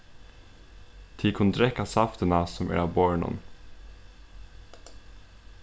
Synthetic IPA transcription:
t̪ʰiːkʰʊnd̪ɾɛkːɑsɑft̪ənɑsɔmʔæ̰ːɾɑbɔɹɳɔ̰n

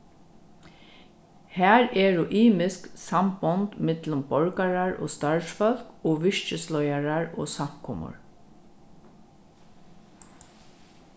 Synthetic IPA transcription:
hæːɹɛːɹʊʔiːmɪsksambɔnt̪mɪt̪lʊmbɔɹkaɹaɹo̰ːst̪aɹsfɔl̥koːʋɪʂt͡ʃəslɔjaɹaɹo̰ːsam̥kʰɔmʊ̰ɹ

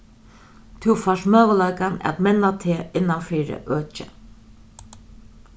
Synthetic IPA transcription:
t̪ʰɪwfaʂmøːʋəlajkana̰t̪mɛnːat̪ʰeːɪnːanfiːɾɪ̰ʔøːt͡ʃə̰

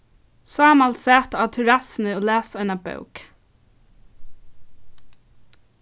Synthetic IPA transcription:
sɑːmalsæːt̪aːt̪ʰɛɹasɪnɪoːlæːsɔɪnabœ̰wk

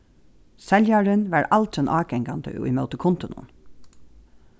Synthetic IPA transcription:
sɛljaɹənʋæɹʔalt̪ɛnʔɑːɡɛŋɡand̪ə̰ʊ̰jmœwt̪əkʰʊnt̪ʊnʊ̰n

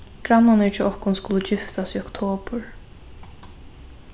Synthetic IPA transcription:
ɡ̥ɾanːanɪt͡ʃʰɪɔhkʊnskʊlʊd͡ʒɪft̪asiːɔkt̪ʰoːpʊɹ

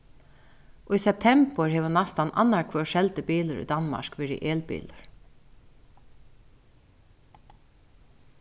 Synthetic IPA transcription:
ʔɔisɛp̚t̪ʰɛmpəɹhɛːʋənast̪anʔa̰nːaɹkʰvœːʃɛlt̪əbiːləɾʏ̰d̪anma̰ɹkʋɛːɹɪ̰ʔeːlbḭːləɹ̥

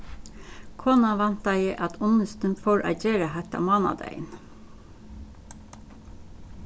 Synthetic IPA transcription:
kʰɔːnɑʋɑnt̪ɑiːʔɑt̪ʰʊnəst̪ənfoːɹʔɑ̰d͡ʒeːɾəhɛt̪ɑ̰mɑːnɑ̰d̪æ̰ɪn

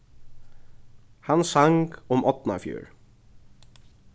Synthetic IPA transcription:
hansaŋkʊmʔɔt̪na̰fjṵːɹ

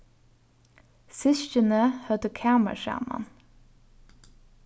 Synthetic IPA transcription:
sɪʃcənəhœt̪əkʰæːmə̰ʃæ̰ːmɑ̰n

